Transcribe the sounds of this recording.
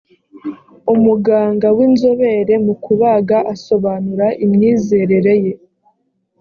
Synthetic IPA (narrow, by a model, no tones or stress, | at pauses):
umuɡaːŋɡawinzoβe̞ɾe̞mukuβaːɡaʔaso̞βaːnuɾaʔimɲiːze̞ːɾe̞ɾe̞je̞